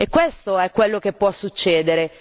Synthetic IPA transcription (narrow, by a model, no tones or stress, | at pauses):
ekːwest̪oɛkːwelːokepːwɔsːut͡ʃːeːd̪eɾe